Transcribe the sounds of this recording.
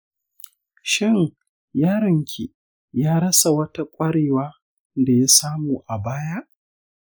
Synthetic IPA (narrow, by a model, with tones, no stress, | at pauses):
ʃɪ˦ŋ | jaː˦ɾɪ˨ŋkʲʰi˨ | jaː˦ɽɐ˦sa˨wɐ˦ta˦kʷʼɐ˦ɽeː˨waː˦ | da˨ja˦saː˦muː˨ʔa˨baː˦ja˦ʔ